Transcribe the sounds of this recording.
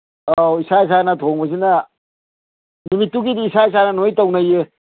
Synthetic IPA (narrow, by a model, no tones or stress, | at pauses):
oisais̬anɐtʰoŋbɐs̬inɐ | nnumitːuɡidiːsais̬anɐnojtawnaje